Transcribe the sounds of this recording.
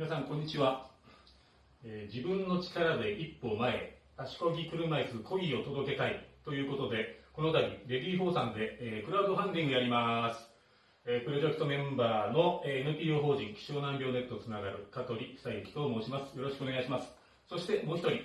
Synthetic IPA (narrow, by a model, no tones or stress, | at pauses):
mʲinasãŋkõ̞ɲ̟ːit͡ɕiβa | ed͡ʑibɯ̟̃nːo̞t͡ɕi̥kaɾad̪e̞ʔipːo̞ːmae̞̰ | aɕi̥ko̞ɡʲikɯ̟ɾɯmaisɨko̞ɡʲio̞t̪o̞d̪o̞ke̞t̪ait̪o̞jɯ̟ːko̞t̪o̞d̪e̞ko̞no̞t̪abʲḭɾe̞bʲiːɸo̞ːsãnd̪e̞ːkɯ̟ɾaɯd̪oɦãnd̪ʲĩŋɡɯjaɾʲimasɨ̥ | epɯ̟ɾo̞ʑekɯ̥t̪o̞mẽ̞mbaːno̞eenɯ̟pʲiːoːɦo̞ːʑĩŋkʲi̥ɕo̞ːnãmbʲo̞ːne̞t̪ːo̞t͡sɨnaɡaɾɯ̟kat̪o̞ɾʲiksaiekʲi̥t̪o̞ːmo̞ːɕimasɨ̥jo̞ɾo̞ɕi̥kɯoneɡaiɕimasɨ̥ | so̞ɕi̥t̪e̞mo̞ːçi̥t̪o̞ɾʲi